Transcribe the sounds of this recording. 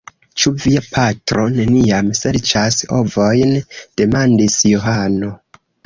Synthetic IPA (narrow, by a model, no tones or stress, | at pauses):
t͡ʃuviapʰatɾo̞ne̞nijamse̞ɾt͡ʃasho̞̰vo̞jnd̥e̞mandisjoɦano̞